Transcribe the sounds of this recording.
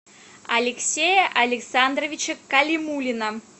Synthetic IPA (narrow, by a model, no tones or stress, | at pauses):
ɐlʲɪksʲejəʔɐlʲɪksand̪rəvʲit͡ɕəkɐlʲimulʲinə